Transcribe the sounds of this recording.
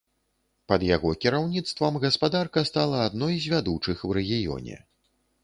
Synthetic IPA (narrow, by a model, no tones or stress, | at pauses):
pɐd̪jaɣɔkʲiɾawnʲit̪st̪vɐmɣɐspad̪arkɐst̪alˠɐːd̪nɔjzʲvʲad̪ut͡ʂɨxwrɛɣʲijɔ̰nʲɛ̰